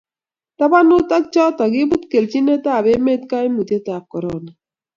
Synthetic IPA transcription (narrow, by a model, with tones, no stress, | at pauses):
ta˦ba˦nʊ˦ta˦k̚t͡ʃɔ˦tɔ˨ɡɪ˦bu˦tke˨lt͡ʃi˦nɛ˦ta˦˨be˦me˦tka˦e˦mu˨te˦ta˨kːɔ˨ɾɔ˨na˨